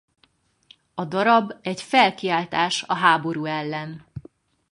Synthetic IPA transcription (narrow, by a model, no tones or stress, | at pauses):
ɒd̪ɒɾɒbɛɟfɛlkiaːlt̪aːʃɒɦaːbo̞ɾuːɛlːɛn